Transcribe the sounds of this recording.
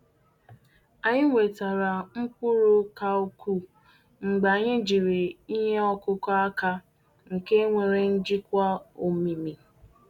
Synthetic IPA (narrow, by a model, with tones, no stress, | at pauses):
a˨ɲɪ˦ŋʷe˨ta˨ɾa˨ŋ͡m̩˦kʷʊ˦ɾʊ˦ka˨o˦ku˦ | ŋ͡m̩˨ɡ͡ba˨ɲɪ˦d͡ʒi˨ɾɪ˨i˦ɦe˦ɔ˦kʊ˦ka˦ka˦ | ŋ̩˨ke˦ŋʷe˨ɾe˨n̩˦d͡ʒi˦kʷa˦o˨mi˨mi˨